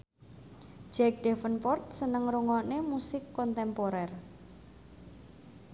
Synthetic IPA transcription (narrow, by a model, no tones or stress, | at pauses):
d͡ʒɛk̚d̥ɛfənpɔrt̪̚sənəŋɾuŋɔnemusɪkːɔnt̪ɛmpoɾɛr